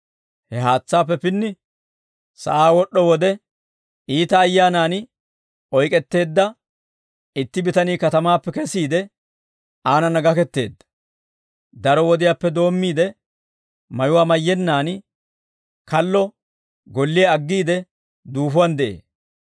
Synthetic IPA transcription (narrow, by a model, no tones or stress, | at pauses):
hɛɦaːt͡sːaːpːɛpɪnːɪ | sɐ̰ʔaːwɔɗːɔwɔd̪ɛ | iːt̪ɐːjːaːnaːn | ɔjkʼɛt̪ːe̞ːd̪ːɐ | ɪt̪ːɪbɪt̪ɐniːkɐt̪ɐmaːpːɛkɛsiːd̪ɛ | aːnɐnɐɡɐkɛt̪ːe̞ːd̪ːɐ̥ | d̪ɐɾɔwɔd̪ɪjaːpːɛd̪o̞ːmːiːd̪ɛ | mɐjʊwaːmɐjːɛnːaːn | kɐlːɔ | ɡɔlːɪjɐɐɡːiːd̪ɛ | d̪uːfʊwɐnd̪ɛʔḛː